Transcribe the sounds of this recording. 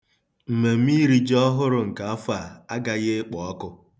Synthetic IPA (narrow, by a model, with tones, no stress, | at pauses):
m̩˨me˨m̩˦i˦ɾi˦d͡ʒɔ˦ɦʊ˦ɾʊ˨ŋ̩˨ka˨a˦fʊ˦a˨a˦ɡa˦ɣe˦k͡pɔ˨ɔ˦kʊ˦